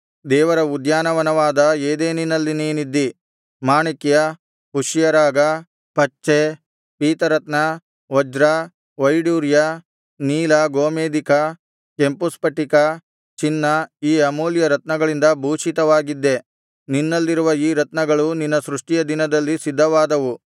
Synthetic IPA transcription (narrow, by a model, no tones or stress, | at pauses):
d̪ɛːʋɐɾɐud̪jaːnɐʋɐnɐʋaːd̪ɐeːd̪eːninɐlːiniːnid̪ːi | maːɳikjɐ | ɦuʂjɐɾaːɡɐ | pɐt͡ʃːe | piːt̪ɐɾɐt̪nɐ | ʋɔd͡ʒɾɐ | ʋɐjɽuːɾjɐ | niːlɐɡoːmeːd̪ikɐ | ke̞mpuspɐʈːikɐ | t͡ʃinːɐiːɐmuːljɐɾɐt̪nɐɡɐɭind̪ɐbʱuːʂit̪ɐʋaːɡid̪ːe̞ | ninːɐlːiɾuʋɐiːɾɐt̪nɐɡɐɭuninːɐsɾuʂʈijɐd̪inɐd̪ɐlːisid̪ʱːɐʋaːd̪ɐʋu